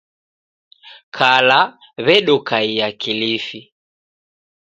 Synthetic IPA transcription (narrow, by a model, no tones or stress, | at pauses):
kʰala | βɛɗɔkaijakilifi